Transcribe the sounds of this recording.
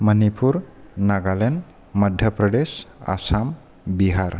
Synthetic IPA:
mənipʰuɾnaɡalen | məd̪ʱjəpɾəɖesa̰sam | biɦaɾ

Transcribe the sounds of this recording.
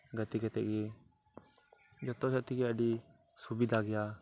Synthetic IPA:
ɡət̪ikɛt̪ɛʔɡɛ | d͡ʒɔt̪ɔsat̪ikɛəɖi | subid̪ʱaɡɛja

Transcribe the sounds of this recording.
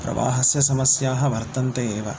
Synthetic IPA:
pɾɐ̰ʋa̰ːɦɐsjɐsɐmɐsjaːɦɐʋɐɾt̪ɐnt̪eːʋɐ̰

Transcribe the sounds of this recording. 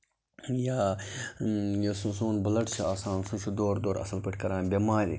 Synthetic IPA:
jaː | josũsuːnbɐlɐʈt͡ʃʰiaːsãːnsũt͡ʃʰud̪oːɾd̪oːɾɐ̰sɐlpəʈʰkɐɾaːnbemaːɾḭ

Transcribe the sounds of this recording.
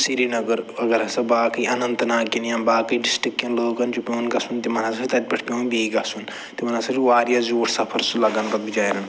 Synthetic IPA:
siɾinɐɡəɾɐɡɐɾɐsɐbaːkɐiʔɐnɐnt̪ɐnaːkinjãːnbaːkɐiɖisʈikjɐ̃nloːɡɐnt͡ʃupʲoːnɡɐsunt̪imɐnaːsɐit̪ɐt̪̚ʲpɐʈʰpʲeːnbiːɡɐsun | t̪imɐnasɐt͡ʃiʋaːɾjazuːʈʰsɐpʰɐɾsulɐɡɐnt̪ɐbid͡ʒaːjɾɐn

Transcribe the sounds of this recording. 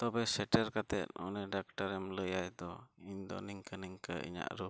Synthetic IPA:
t̪ɔbɛsɛʈɛɾkat̪ɛt̪̚ɔ̰nɛɖak̚ʈaɾɛmləjajd̪ɔiɲd̪ɔ̰niŋkəniŋkəʔḭɲa̰ʔɾu

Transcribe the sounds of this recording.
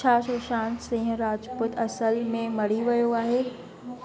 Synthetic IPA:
aːʃoːʃaːnsĩːɦɾaːd͡ʑpʊt̪ɐsəlmẽmɐɽ̤iʋɐjoaːɦeː

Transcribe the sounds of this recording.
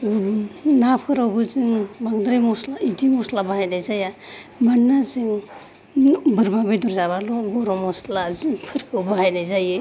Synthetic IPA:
napʰkʰɯɾawbɯziŋbaŋdɾajmɔslaidimɔslabahajnajzajamanːaziŋ | bɯɾmabɯjduɾzaβalɔɡɔɾɔmɔslaziŋpʰɯɾkɯwbahajnajzajɯ

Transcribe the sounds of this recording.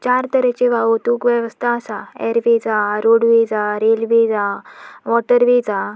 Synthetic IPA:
t͡ɕaɾt̪əɾɛt͡ɕeʋaʋot̪uːkʋɛʋəst̪ʰaːsaɛ̰ɾʋed͡zaɾoɽʋed͡zaɾelʋed͡zaʋɔʈəɾʋed͡za

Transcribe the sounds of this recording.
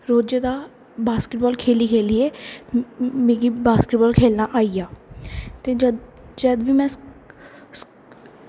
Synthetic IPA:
ɾoːd͡ʒed̪aː | baːskɪʈ̚bɔːlkʰeːliːkʰeːliːeː | mẽːɡibaːskɪʈbɔːlkʰeːlnaːʔaːijaːt̪eːd͡ʒəd̪ʋiːmɛ̃ː | s

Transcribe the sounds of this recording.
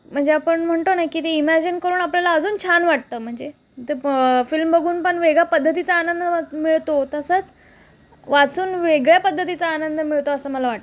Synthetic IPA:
m̤əɳd͡zeapəɳm̤əɳt̪onajkiːt̪eimæd͡ʑinkəɾuːnapljalaəd͡zuːnt͡ɕʰanʋaʈ̚t̪əːm̤əɳd͡ze | t̪efilmbəɡʱuːnpəɳʋeɡɭjapəd̪ʱːət̪it͡saːnənd̪ʱəmiɭt̪ot̪əsəːt͡s | ʋat͡suːnʋeɡɭjapəd̪ʱːət̪it͡saːnənd̪ʱəmiɭt̪oəsəːməlaʋaʈt̪ə

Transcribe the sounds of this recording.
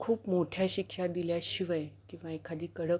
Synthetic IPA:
kʰuːpmoʈʰjaɕikʃad̪iljaɕiʋəjkĩw̃ʋaekʰad̪iːkəɽə

